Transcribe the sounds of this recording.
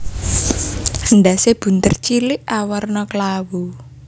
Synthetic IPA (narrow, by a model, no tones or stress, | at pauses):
həndaseb̥ṳnt̪ərt͡ʃilɪʔawərnɔkəlawu